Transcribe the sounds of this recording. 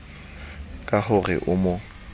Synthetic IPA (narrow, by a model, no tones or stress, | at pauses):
kʼahʊrɪ̰ʔʊmʊ